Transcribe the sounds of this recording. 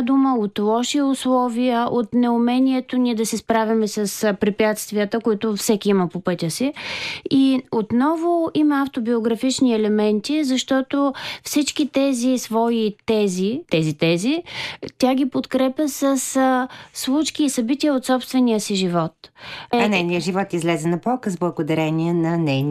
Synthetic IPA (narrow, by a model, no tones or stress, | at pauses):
d̪uməot̪lˠɔʃiʊslˠɔviəʔot̪nɛʊmɛnʲiɛt̪onid̪ɐsɛspɾavʲɐmɛsəspɾipʲjat̪st̪viət̪əkoit̪ʊfsɛkʲiiməpopɤt̪ʲəsiiot̪nɔvoimɐaft̪obioɡɾɐfit͡ʃniɛlɛmɛnt̪izɐʃt̪ɔt̪ofsit͡ʃkit̪ɛzisvɔit̪ɛzit̪ɛzit̪ɛzit̪ʲaɡ̟ʲipot̪kɾɛpʲjəsəsslˠut͡ʃkiːsɐbit̪ʲiəot̪sɔpst̪vɛnijəsiʒivɔt̪nɛjnijəʒivɔt̪izlɛzɛnɐpɔlˠkəzblˠəɡod̪ɐɾɛniɛnɐnɛjn